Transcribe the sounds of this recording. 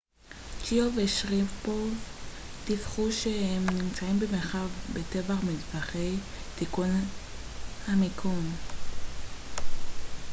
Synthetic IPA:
t͡ʃioveʃʁivpov | tifχuʃehemnimt͡saimbemeʁχavbete̞vaχmidbaχe̞j | tikun | hamikʰun

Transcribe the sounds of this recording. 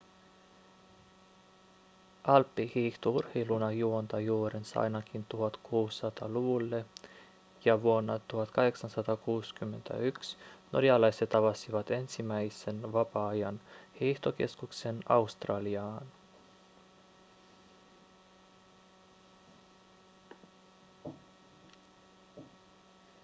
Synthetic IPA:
ʔɑlpːihiːht̪ourhejlunɑjuont̪ɑjuːɾensɑ̰jnɑkint̪uɦɑt̪kʰuːsːɑt̪ɑ̰luʋulːe | jɑʋuonːɑt̪uhɑt̪kɑɦe̞ksɑnsɑt̪ɑkuːskymːe̞nt̪ʰæ̰yksnoɾiɑlɑjse̞t̪ɑʋɑsiʋɑt̪e̞nsimæjse̞nʋɑpɑɑjɑnhiht̪oke̞̰skukse̞nɑust̪rɑːliɑːn

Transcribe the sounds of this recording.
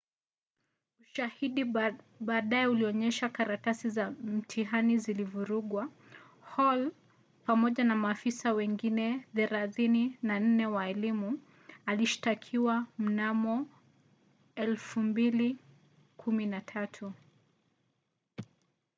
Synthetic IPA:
uʃahiɗi | ɓaːɗajɛuliɔɲɛʃakaɾatasizam̩tʰiɦanizilivuɾuɠwa | hɔl | pamɔʄanamaːfisawɛŋɡinɛðɛɾaðininan̩nɛwaɛlimu | aliʃi̥takʰiwam̩namɔ | ɛlfumbili | kʰuminatʰatʰu

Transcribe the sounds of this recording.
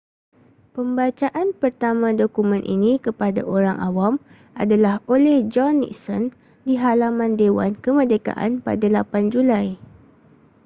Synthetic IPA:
pəmbat͡ʃaʔanpərt̪amãdokumə̃nʔḭnĩkəpada̰ʔoɾaŋʔa̰wam | ʔa̰dalaholɛhd͡ʒɔnːḭksɔn | diɦalamãndewa̰nkəmədeka̰ʔa̰npa̰dalapand͡ʒulaj

